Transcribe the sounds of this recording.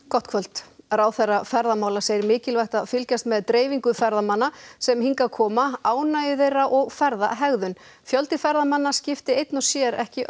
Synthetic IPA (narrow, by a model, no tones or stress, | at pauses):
kɔht̪̚kʰvœlt̪ɾawθɛrːafɛɾðamaːwlaseːjɾmɪːcɪlvajxt̪aðfɪlcast̪mɛðt̪ɾeːjviŋkʏfɛɾðamanːasɛmhiŋkakʰɔːmaaːwnajɪðejraʔɔɣfɛɾða̰ɦɛɣðʏn | fjœlt̪ɪfɛɾðamanːascɪft̪ɪejt̪nɔsjɛɾɛ̰hcɪʔ